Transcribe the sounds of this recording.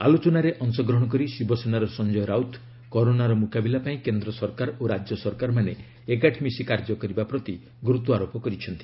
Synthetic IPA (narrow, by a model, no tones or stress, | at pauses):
a̰lot͡ʃɔnaɾeʔɔnsɔɡɾɔɦɽ̃ɔk̬ɔɾisibɔsenaɾɔsɔnd͡ʒɔjɔɾawt̪ʰ | kɔɾonaɾɔmukabilapaĩkend̪ɾɔsɔɾkaɾoɾad͡ʒjɔsɔɾkaɾmane | ekaʈʰmisikaɾd͡ʒɔkɔɾibapɾɔt̪i | ɡɾut̪uaɾopɔkɔɾit͡ʃʰɔnt̪i̥